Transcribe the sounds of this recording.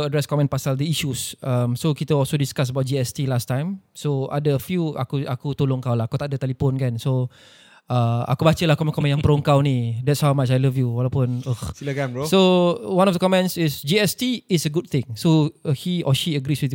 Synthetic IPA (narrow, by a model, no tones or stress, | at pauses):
ədɹɛskɔmɛ̃npasaldəiʃusəmsokit̪əɔlsodiskas̬əbawt̚d͡ʒiɛstilastãjmsoa̰dəəfjua̰kuʔakut̪oloŋkawlahkat̪aʔdət̪ɛlifonkanso | əa̰kubat͡ʃəlahkɔmɛ̃nkɔmɛ̃njãpəɾoŋkawnĩdɛtshawmãt͡ʃajlivjuwalawpʊnəsiləɡamosowãnɔfdəkɔmɛ̃nsɪsd͡ʒiɛstiːsəɡud̚t̪ɪ̃ŋsohiɔʃiəɡɾiswiθj